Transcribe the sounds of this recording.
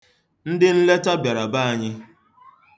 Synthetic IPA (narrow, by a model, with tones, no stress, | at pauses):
n̩˦dɪ˦n̩˦le˦ta˦bja˨ɾa˨ba˦a˨ɲɪ˦